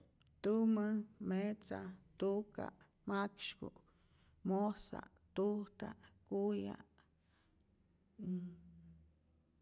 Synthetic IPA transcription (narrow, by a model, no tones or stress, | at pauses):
t̪umə̃met͡sat̪uka̰ʔ | makʃkṵ | mosa̰ʔ | t̪ut̪aʔkujaʔ